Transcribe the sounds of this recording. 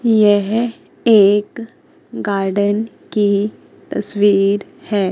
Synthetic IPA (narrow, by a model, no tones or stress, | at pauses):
jɛɦ | eːk | ɡaːɾɖən | ki | t̪ɐswiːɾ | hɛː